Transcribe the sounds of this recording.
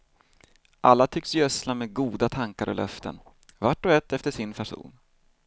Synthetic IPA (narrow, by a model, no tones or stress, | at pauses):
ʔalːat̪ʰʏksjœslameːɡuːd̪at̪ʰaŋkaɾɔ̰lʔœ̰ft̪ə̰n | vaʈːɔɛt̪ːɛft̪əʂɪnpʰæʂṵːn